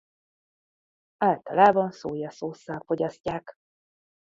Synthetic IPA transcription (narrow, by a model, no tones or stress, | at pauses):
aːlt̪ɒlaːbɒnsoːjɒsoːsːalfo̞ɟɒscaːk